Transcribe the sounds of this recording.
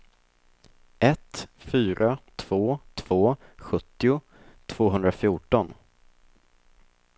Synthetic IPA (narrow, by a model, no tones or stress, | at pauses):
ʔɛt̪fyːɾʔat̪ʰv̥oːt̪ʰv̥oːɧɵt̪ːɪʊ | t̪ʰv̥oːɦɵnd̪ɾafjuːʈɔn